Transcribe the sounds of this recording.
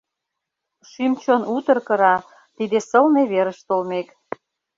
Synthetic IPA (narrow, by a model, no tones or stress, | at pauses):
ʃymt͡ɕonut̪ə̆rkə̆ɾɑ | t̪id̪esə̆lneβeɾə̆ʃt̪olmek